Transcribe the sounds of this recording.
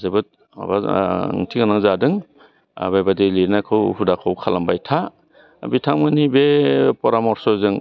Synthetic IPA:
zɯbɯt̚ | a̰ba̰ŋtʰiŋanaŋzadɯŋ̰ | bajbadiliɾnakʰɯwhudakʰɔwkʰalambajtʰa | bitʰaŋmɯnibepɔɾamɔɾsɔzɯŋ

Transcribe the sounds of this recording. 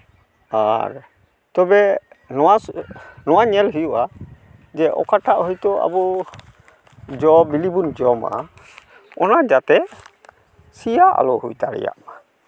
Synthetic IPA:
aɾ | t̪ɔbɛ | nɔwanɔwaɲɛlɦujuʔa | d͡ʒɛʔɔ̰kaʈaʔhɔjt̪ɔʔa̰bu | d͡ʒɔbilibund͡ʒɔma̰ | ɔnad͡ʒat̪ɛ | sijaʔa̰lɔhujt̪aɽɛ̰ja̰ʔma

